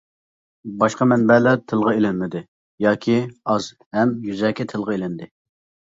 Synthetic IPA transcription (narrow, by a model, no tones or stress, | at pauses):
bɑʃqɑmɛnbɛlɛt̪ʰɨlˠʁəelɪnmɪd̪ɪ | jɑːkʲʰiɑz̥ | hɛmjyzɛkʲʰɛt̪ʰɨlˠʁɨelɪnd̪ɪ